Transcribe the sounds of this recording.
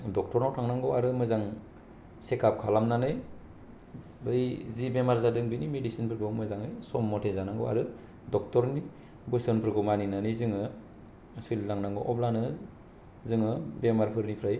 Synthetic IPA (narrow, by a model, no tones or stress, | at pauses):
dɔk̚tɔɾnawtʰaŋnaŋɡɯwaɾɯmɯzaŋ | sekap̚kʰalamnanɯj | bɯjzibemaɾzadɯŋbinimedisinpʰɯɾɡɯmɯjzaŋɯjsɔmːɔtʰezanaŋɡɯ̰wa̰ɾɯ | dɔk̚tɔɾni | bɯsɯnpʰɯɾɡɔwmaninanɯjzɯŋɯ | silːaŋnaŋɡɯʔɔblanɯ | zɯŋɯbemaɾpʰɯɾnipʰɾaj